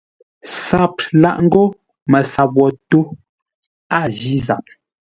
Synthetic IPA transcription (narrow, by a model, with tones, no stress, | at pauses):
sa˨p̚la̰˦˨ʔŋ̩˦ɡo˦ | mə˨sa˨bwɔ˨to˦ | a˦˨d͡ʒi˦za̰˨p̚